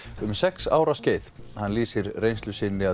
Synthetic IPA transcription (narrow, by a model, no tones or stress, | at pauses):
ʏmsɛksa̰ːwɾasceːjθ | hanliːsɪɾrejnst̪lʏsɪnːɪa